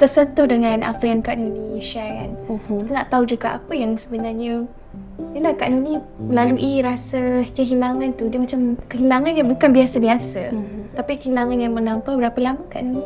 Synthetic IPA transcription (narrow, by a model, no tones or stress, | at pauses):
t̪ərsənt̪ohdəŋanʔa̰ft̪əankaʔnuniʃaɾanit̪anaʔt̪aud͡ʒuɡaʔapəjaŋsəbənaɲə | jəlahkaʔnuni | məlaluʔiɾasakəɦilaŋant̪udiəmat͡ʃamkəɦilaŋanjaŋbukanbiasabiasa̰t̪apikəɦilaŋanjaŋmənampabəɾapəlamakaʔnuni